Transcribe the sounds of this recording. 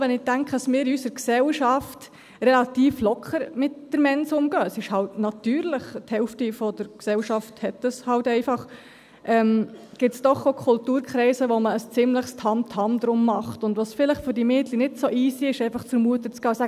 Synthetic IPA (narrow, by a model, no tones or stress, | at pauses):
ʋɛnɪtæŋkχədɑsmɪːɾɪysəɾksɛlʃɑft | rɛlɑtiːflɔkʰχəɾmɪtd̥əɾmɛnsʊmɡ̥øːəsɪʃhɑltnɑtyːɾlɪχthɛlftifɔd̥əɾksɛlʃɑfthɛtəshɑltɛɪfɑχ | ʔɛmɡ̥ɪtsd̥ɔχokʰʊltuːɾkχɾɛɪsəʋɔməːst͡sɪmləχstʰɑmtʰɑmd̪ɾʊmːɑχtʊndʋɑsfɪləχfʏɾdimeːdlinɪdsoʔiːsiɪʃɛɪfɑχt͡sfəɾmuətət͡skɑːsæ